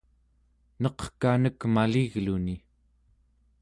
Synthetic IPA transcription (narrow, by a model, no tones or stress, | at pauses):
nʌqkanəkmaliɣluni